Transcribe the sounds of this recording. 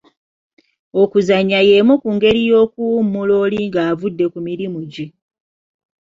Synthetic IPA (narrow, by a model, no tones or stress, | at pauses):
o̞kuzaɲːajemukuŋɡe̞ɾijo̞ːkumːuloːliŋɡaːvudːe̞kumiɾimuɟi